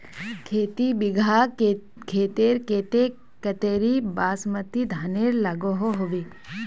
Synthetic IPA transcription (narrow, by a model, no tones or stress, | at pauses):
kʰeːt̪ibɪɡʱa | kʰeːt̪eːɾkeːt̪e | kɐt̪eːɾibaːsmət̪ːid̪ʱaːneɾlaɡoɦoɦoʋe